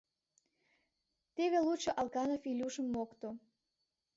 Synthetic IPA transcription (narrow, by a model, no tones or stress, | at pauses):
t̪eβelut͡ɕoʔɑlˠkɑnofilʲuʃə̆mːokt̪o